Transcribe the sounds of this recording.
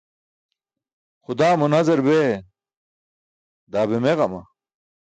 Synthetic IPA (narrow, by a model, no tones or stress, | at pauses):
xʊd̪aːmunɐzɐɾbe | d̪aːbemeʁɐmɐ